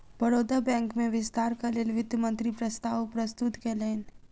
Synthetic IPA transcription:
bəɾoːd̪abɛ̃ːŋkmẽʋɪst̪aːɾkaleːlʋɪd̪jəmə̃nt̪ɾipɾəst̪aːwpɾəst̪ʊt̪keleːn

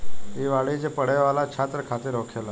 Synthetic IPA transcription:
ɦiʋaɭit͡ɕepəɽeʋalat͡ɕʰat̪ɾəkʰat̪iːɾɔkʰela

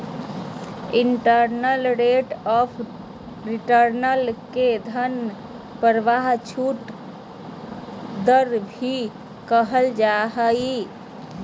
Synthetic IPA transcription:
iɳʈəɾnəlɾeʈɔpʰ | ɾiʈəɾnəlked̪ʱən | pəɾʋaɦt͡ʃʰuʈ | d̪əɾbʱi | kəɦəld͡ʒaɦəi

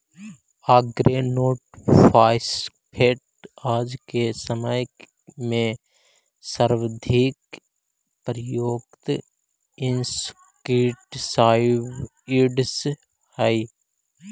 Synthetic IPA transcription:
aːɡɾenoːʈpʰaːɪspʰeːʈ̚ | aːd͡ʒkesəməj | mẽ | səɾʋəd̪ʱiːk | pəɾjoːɡt̪ | ɪns | kiːʈsaːɪʋ | iɖs | hai

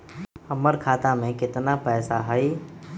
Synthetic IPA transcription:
ɐməɾkʰaːt̪amẽkɪt̪napɛːsaɦɐi

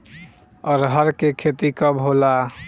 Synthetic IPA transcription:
ɔːɾɦəɾkekʰet̪ikəbɦola

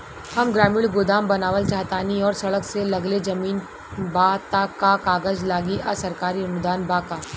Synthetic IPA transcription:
hɐmɡɾaːmɪɭɡʊd̪aːmbɐnaːʋəlt͡ʃaːt̪aːniɔːɾsɐɽəkselɐɡled͡ʒɐmiːn | baːt̪akakaːɡəd͡ʒlaːɡiʔɐsɐɾkaːɾiɐnʊd̪aːnbaːkaː

